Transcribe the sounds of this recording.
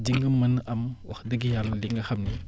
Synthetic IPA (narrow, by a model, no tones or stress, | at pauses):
d͡ʒiŋɡɯmːɯnamwaxdɯɡijalliŋaxʰamni